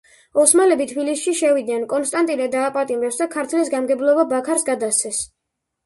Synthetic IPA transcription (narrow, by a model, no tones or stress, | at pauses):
ɔsmalɛbit̪ʰbilisʃiʃɛvid̪nɛnkʼɔnst̪ʼant̪ʼinɛd̪aːpʼat̪ʼimɾɛpsd̪akʰaɾt̪ʰlisɡamɡɛblˠɔbabakʰaɾsɡad̪ast̪sʰɛs